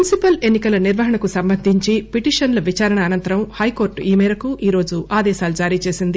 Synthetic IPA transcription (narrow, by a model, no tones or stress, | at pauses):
unisipɐle̞nːikɐlɐniɾʋɐɦɐɳɐkusɐmbɐnd̪ʱiɲt͡ʃipiʈiːʂɐnlɐʋit͡ʃaːɾɐɳɐːnɐnt̪ɐɾɐmhɐjko̞ːɾʈiːmɛːɾɐkuʔiːɾo̞ːd͡ʒuʔaːd̪ɛːsaːlud͡ʒaːɾiːt͡ʃe̞ːsind̪i